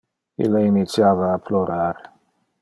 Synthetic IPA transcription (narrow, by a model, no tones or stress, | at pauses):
ḭlːainit̪sjaːvaːploɾaɾ